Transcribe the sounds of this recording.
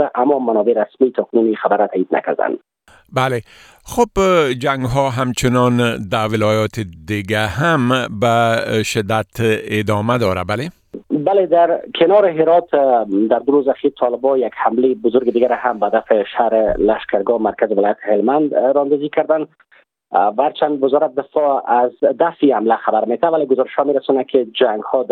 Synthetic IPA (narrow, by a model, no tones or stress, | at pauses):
aʔamːɔmanɔbeɾasmit̪ʰɔkʊnunixabaɾat̪ʰaːid̪̚na̰ka̰ɾd̪a̰nd̪ | bale | xobd͡ʒaŋɡɦɔɦamt͡ʃɪnɔnd̪awɪlɒjɒt̪ɪd̪ɪɡaɦambaʃɪd̪at̪ɪd̪ɔmad̪ɔɾa̰bale | baled̪aɾkʰɪnɔɾɪɦɪɾɔt̪d̪aɾd̪ʊɾozaxiɾt̪ʰɔlɪbɔjaɡhamlejɪbʊzʊɾɡɪd̪iɡaɾahambaad̪afɪʃaɾɪlaʃkaɾɡɔmaɾkazɪwɪlɔjat̪ʰɪ̥hɪlmand̪ɾɔand̪ɔzikaɾd̪an | waaɾt͡ʃand̪wɪzɔɾat̪̚d̪ɪfɔazd̪aft̪ihamlaxabaɾmet̪avaleɡʊzɔɾɪʃhɔmeɾasɔnakʰɪd͡ʒaŋɡhɔd̪